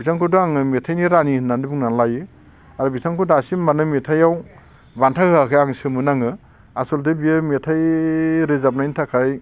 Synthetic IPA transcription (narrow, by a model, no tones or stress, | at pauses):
bitʰaŋkudoaŋɯmetʰajniɾaninandibuŋnanlajɯ | aɾɔbitʰaŋkʰɔdasimmanɯmetʰajaw | bantʰahɯakʰajaŋsɯmɯnaŋɯ | asɔldebiɯmetʰajɾezap̚najntʰakʰaj